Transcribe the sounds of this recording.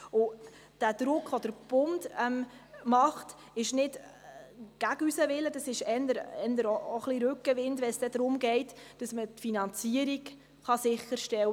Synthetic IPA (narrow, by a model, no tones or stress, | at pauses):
ʊ | d̥æd̪̥ɾʊkχʋɔd̥əɾb̥ʊndɛmmɑχt | ɪʃnɪd | ɡ̥æɡysəʋɪlːəd̥ɑsɪʃɛndəɾɛnd̪əɾooχliɾʉkːəʋɪndʋɛnsd̥ɛdɾʊmɡɛɪtd̥ɑsmətfinɑnt͡siəɾiɡ | χɑsɪχːəɾʃtɛwə